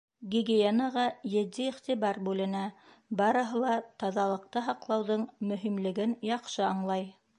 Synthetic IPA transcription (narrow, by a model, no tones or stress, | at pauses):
ɡʲiɡejenɑʁɑjɘ̆d̪ːiiχt̪iβɑɾbʉlɘ̆næ | bɑɾɤ̆ɦɤlˠɑt̪ɑðɑlˠɤ̆q̚t̪ɤɦɑqlˠɑwðɤɴmɵ̆ɦimlɘ̆ɡɘnjɑqʃɤɑɴlˠɑj